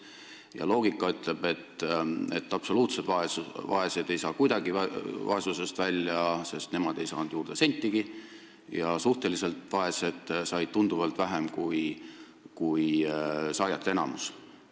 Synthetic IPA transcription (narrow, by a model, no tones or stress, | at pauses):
jɑ̰lo̞ːɡ̥ikːˑɑyt̪ˑle̞b̥e̞t̪ːe̞̰t̪ːˑɑpso̞luːt̪se̞d̪̥vɑesvɑ̰e̞sed̪̥e̞jsɑːkujd̪ɑɡivɑ̰e̞suse̞st̪vælʲːjɑse̞st̪ne̞mɑd̪̥e̞jsɑ̰ːnd̪juːrd̪̥e̞se̞nʲt̪ʲːˑiɡ̥i | jɑsuht̪e̞lise̞lt̪ˑvɑe̞se̞d̪̥sɑjd̪̥̚t̪ːund̪uvɑlt̪væɦemkuj | kujsɑjɑt̪ˑːenɑmus